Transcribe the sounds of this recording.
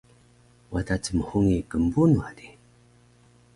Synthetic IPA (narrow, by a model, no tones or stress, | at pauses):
watat͡səməhuŋekəmbunuadi